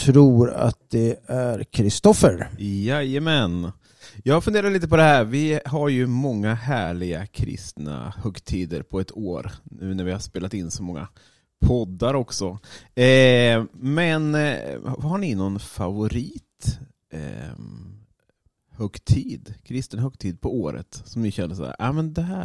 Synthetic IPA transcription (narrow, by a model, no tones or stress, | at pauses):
t̪ʰɾuːɾa̰t̪̚d̪ɛæɾkʰɾɪst̪ɔfəɾjajəmɛn | jɑːɡfɵnd̪eːɾad̪liːt̪əpʰɔd̪ɛhɦæːɾvɪɦaɾjɵmɔŋːaɦæːɭɪɡakʰɾɪ̰st̪na̰hœɡt̪ʰiːd̪əɾpʰɔɛt̪ʰoːɾnʉ̟ːnæɾvɪhaʂspeːlat̪ɪnːsɔmɔŋːa̰ | pʰɔd̪ːaɾɔksɔ | mɛn | haɳɪnɔnfavʊɾiːt̪ | hœɡt̪ʰiːd̪kʰɾɪst̪ənɦœɡ̚t̪ʰiːd̪̚pʰɔoːɾə̰t̪sɔmnɪɕɛnd̪əʂɔ̰æ̰ɾʔa̰mɛnd̪ɛɦæː